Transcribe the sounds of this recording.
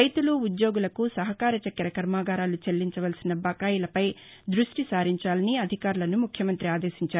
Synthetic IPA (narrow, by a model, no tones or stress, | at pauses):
ɐjt̪uluːd̪joːɡulɐkusɐɦɐkaːɾɐt͡ʃɐkːɐɾɐkɐɾmaːɡaːɾaːlut͡ʃɐlːiɲt͡ʃɐʋɐlsinɐbɐkaːjulɐpɐj | d̪ɾuʂʈisaːɾiɲt͡ʃaːlɐniɐd̪ʱikaːɾulɐnumukʰjɐmɐnt̪ɾiaːd̪eːsiɲt͡ʃaːɾu